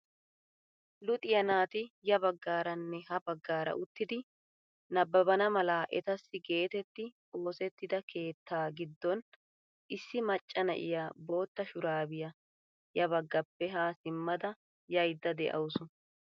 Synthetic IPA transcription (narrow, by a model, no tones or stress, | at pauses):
lʊt̪ʼɪjɐnaːt̪ɪjɐbɐɡːaːɾɐnːɛhɐbɐɡːaːɾɐ̰ʔʊt̪ːɪd̪ɪ | nɐbːɐbɐnɐmɐlaːʔɛ̰t̪ɐsːɪɡe̞ːt̪ɛt̪ːɪ | oːsɛt̪ːɪd̪ɐkʰe̞ːt̪ːaːɡɪd̪ːɔn | ʔɪsːɪmɐt͡ʃʼːɐnɐ̰ʔɪ̰jabo̞o̞ːt̪ːɐʃʊɾaːbɪjɐ | jɐβɐɡːɐpːɛɦaːsɪmːɐd̪ɐ | jɐjd̪ːɐd̪ɛʔɐ̰wʊsʊ